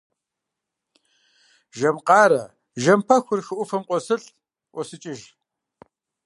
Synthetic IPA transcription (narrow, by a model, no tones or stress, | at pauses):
ʒɐmqɑːɾɐ | ʒɐmpʰɐxʷʊrxɨʔʷʊfɐmqʷʼɔsɨɬ | ʔʷɔsɨt͡ʃʼɪʒ